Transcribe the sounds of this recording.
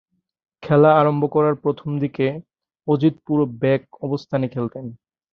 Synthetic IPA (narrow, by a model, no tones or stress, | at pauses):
kʰɛlaaɾombokɔɾaɾpɾot̪ʰomd̪ike | od͡ʑit̪̚puɾobɛk̚ɔbost̪ʰanekʰelt̪en